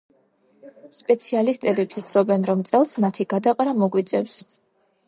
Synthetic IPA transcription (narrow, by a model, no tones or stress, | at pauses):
spʼɛt̪sʰialist̪ʼɛbipʰikʰɾɔbɛnɾɔmt̪sʼɛlˠsmat̪ʰiɡad̪aqʼɾamɔɡwit̪sʼɛfs